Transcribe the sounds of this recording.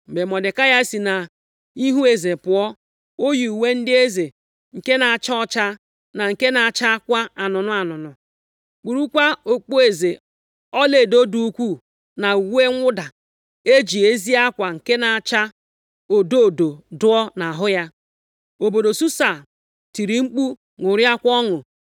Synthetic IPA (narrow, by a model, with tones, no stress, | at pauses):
m̩˨be˨mɔ˨dɪ˨ka˦ja˦e˦si˨na˨ | i˦ɦu˦e˨ze˨pʊ˨ɔ˦ | o˦ju˨u˨we˦n̩˦dɪ˦e˦ze˨ | ŋ̩˨ke˦na˨a˨t͡ʃa˦ɔ˦t͡ʃa˦ | na˨ŋ̩˨ke˦na˨a˨t͡ʃa˦a˦kʷa˦a˨nʊ˨nʊ˨a˨nʊ˨nʊ˨ | k͡pu˨ɾu˦kʷa˦o˨k͡po˦e˨ze˨ | ɔ˦le˨do˦du˦u˦kʷu˦˨ | na˨u˨we˦ŋʷʊ˦da˨ | e˦d͡ʒi˨e˦zi˦a˦kʷa˨ŋ̩˨ke˦na˨a˨t͡ʃa˦ | o˨do˦˨do˨dʊ˦ɔ˦na˨ɦʊ˦ja˦ | o˨bo˨do˨su˦sa˨ | ti˨ɾi˨ŋ͡m̩˦k͡pu˦ | ŋʊ˨ɾja˦kʷɔ˦ŋʊ˨